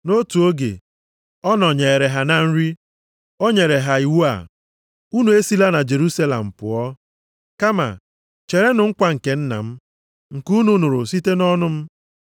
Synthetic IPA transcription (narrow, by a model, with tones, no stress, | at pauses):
no˦tu˨o˦ɡḛ˨ | ɔ˦nɔ˨ɲe˨ɾe˨ɦa˨na˦n̩˦ɾi˦ | o˦ɲe˨ɾe˨ɦa˨i˨wu˦a̰˨ | u˦nu˨e˦si˦la˦na˨d͡ʒe˨ɾu˦sa˦lḛ˨m̩˨pʊ̰˨ɔ˦ | ka˦ma̰˨ | t͡ʃe˨ɾe˦nʊ˨ŋ̩˦kʷa˦ŋ̩˨ke˨n̩˦na̰˨m̩˦ | ŋ̩˨ku˦nu˦nu˨ɾʊ˨si˦te˦nɔ˦nʊ˦m̩˦